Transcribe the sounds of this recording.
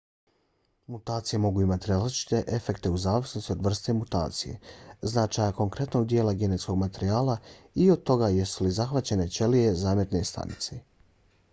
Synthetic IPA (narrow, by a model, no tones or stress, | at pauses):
mut̪aːt̪sije̞mo̞ɡuːimat̪iɾalit͡ʃi̥t̪e̞ʔefe̞kt̪e̞uzaːʋisno̞st̪io̞d̪ʋr̩st̪emut̪a̰ːt̪sije̞̰znat͡ʃajako̞ŋkɾe̞t̪no̞ɡ̚d̪jeːlaɡe̞ne̞t̪sko̞ɡmat̪eɾiaːlˠaio̞d̪̚t̪o̞ɡaje̞sulizaxʋat͡ɕe̞ne̞t͡ʃe̞lije̞zaːmjet̪ne̞st̪a̰nḭt̪se